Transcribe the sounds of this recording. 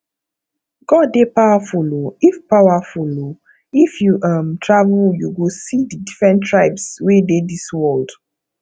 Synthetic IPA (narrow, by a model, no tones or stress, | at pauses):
ɡɔdːepawafuloifpawafulo | ifjuʔamtʰɹavuljuɡosididifɹɛ̃ntɹaɪpswedediswɔld